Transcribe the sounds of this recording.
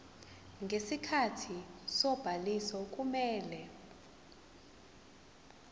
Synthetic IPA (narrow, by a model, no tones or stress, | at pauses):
ŋɡʱesikʰatʰisɔb̥ʱalisɔkʼumɛːlɛ